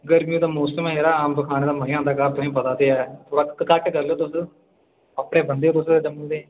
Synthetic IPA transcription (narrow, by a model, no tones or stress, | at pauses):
ɡəɾmijũːd̪aːmoːsəmːeːɾaːaːmbəkʰaːneːd̪aːməɦɪjãːnd̪aːkaːb̚t̪ʊɦĩːp̬ət̪aːt̪eːɛːt̪ʰoːɽaːkəkaːkeːkəɾleoːt̪ʊs | əpɽeːbənd̪eːɾʊseːd͡ʒəməld̪ẽː